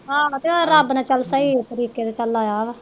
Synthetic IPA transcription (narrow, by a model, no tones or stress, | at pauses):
ɦãːt̪eɾəbnãːt͡ʃəlsaːiːt̪əɾiːkeːd̪aːt͡ʃəlːaːjaːʋ